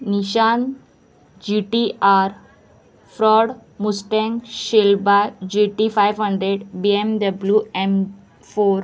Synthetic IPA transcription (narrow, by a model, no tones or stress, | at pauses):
niɕan | d͡ʑiʈiaɾ | fɾɔɽmusʈẽŋɡɕelbad͡ʑiʈifajʋɦəɳɖɾeɽbiemd̪əbljuem | foɾ